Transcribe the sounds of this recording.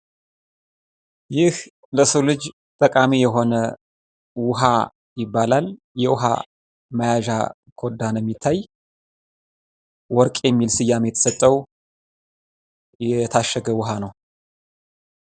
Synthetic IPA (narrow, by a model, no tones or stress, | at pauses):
jɪh | ləsəwlɨd͡ʒ | t̪ʼəkʼamijɛɦo̞nə | wʊɦa | jɪbːalal | jɛwʊɦa̰ | məjaʒa̰ | kʰo̞d̪ːanjɛmːit̪ʰːaj | wɔɾkʼjɛmːilsɨjːamjɛt̪ʰə̥sət̪ʼːəw | jɛt̪ʰaʃːəɡəwʊɦanəw